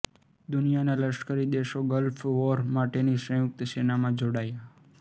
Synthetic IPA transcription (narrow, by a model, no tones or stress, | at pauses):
d̪ʊnijanaləʃkəɾid̪eʃoɡəlfʰʋɔɾmaʈenisə̃jʊk̚t̪senamãd͡ʒoɽaja